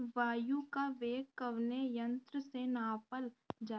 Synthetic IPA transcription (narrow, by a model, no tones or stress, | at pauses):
ʋaːjukaʋeːkːəʋnejɐ̃nt̪ɾəsenaːpəld͡ʒaː